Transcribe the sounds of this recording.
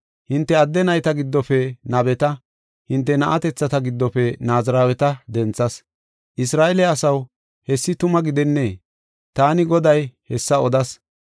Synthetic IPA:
hɪnt̪ːɛɐd̪ːɛnɐjt̪ɐɡɪd̪ːɔfɛnɐbɛt̪ɐ | hɪnt̪ːɛnɐʔɐt̪ɛt͡sːɐt̪ɐɡɪd̪ːɔfɛnaːzɐɾaːwɛt̪ɐd̪ɛnt͡sːɐs | ʔɪsɾaːʔɛlɛɐsɐw | hɛsːɪt̪ʊmɐɡɪd̪ɛnːeː | t̪aːnɪɡɔd̪ɐjhɛsːɐɔd̪ɐs

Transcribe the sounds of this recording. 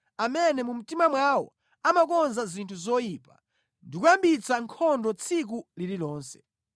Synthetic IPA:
amɛnɛmum̩timamwawɔ̰ | amak̬ɔnzazintʰuzɔjiːpa̰ | ndikujambit͡sʰaŋkʰɔndɔt͡sʰik̬ulililɔːnsɛ̥

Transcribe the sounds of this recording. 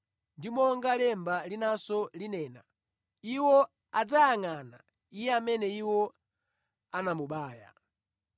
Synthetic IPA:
ndimɔŋɡalɛmbalinasɔlinɛːna̰ | iwɔ | ad͡zajaŋana | ijɛamɛnɛiwɔ | anamuɓaːja̰

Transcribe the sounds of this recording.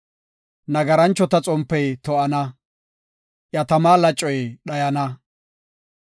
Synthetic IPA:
nɐɡɐɾɐnt͡ʃːɔt̪ɐt͡sʼɔmpːɛjt̪ɔʔɐnɐ | ʔjɐt̪ɐmaːlɐt͡ʃʼːɔjɗɐjɐnɐ

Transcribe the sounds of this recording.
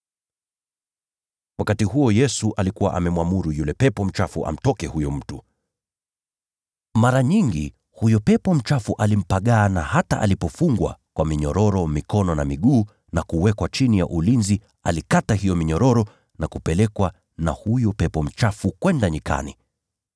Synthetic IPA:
wakatiɦuɔjɛsuʔalikuwaʔa̰mɛmwamuɾujulɛpɛpɔm̩t͡ʃafuʔa̰m̩tɔkɛhujɔm̩tu | maɾaɲiŋɡḭ | hujɔpɛpɔm̩t͡ʃafuʔalim̩paɠaːnahata̰ʔa̰lipɔfuŋɡwa̰kwʔamiɲɔɾɔɾɔmikɔnɔnamiɠuː | nakuwɛkwat͡ʃinija̰ʔulinzi | a̰likataɦijɔmiɲɔɾɔɾɔ | nakupɛlɛkwa | nahujɔpɛpɔm̩t͡ʃafukwɛndaɲika̰ni

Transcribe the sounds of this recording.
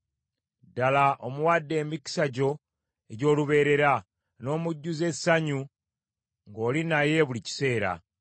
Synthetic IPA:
dalaʔomuwadːe̞ːmiki̥saɟo̞ | e̞ɟo̞ːluβe̞ːɾe̞ɾa | no̞ːmuɟːuze̞saɲu | ŋɡo̞ːlinaje̞βulici̥se̞ːɾa̰

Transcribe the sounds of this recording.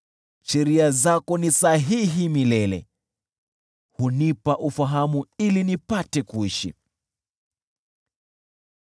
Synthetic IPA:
ʃɛɾiazakɔnisaɦiɦimilɛlɛ̰ | hunipaʔufaɦamuilinipatɛkuiʃḭ

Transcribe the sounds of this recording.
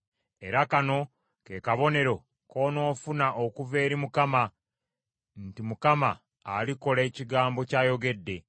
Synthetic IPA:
e̞ɾakano̞ | ke̞kaβo̞ne̞ɾo̞ | ko̞ːno̞ːfunaʔokuve̞ːɾimukama | ntimukamaː | liko̞leːciɡaːmbo̞caːjo̞ɡe̞dːe̞

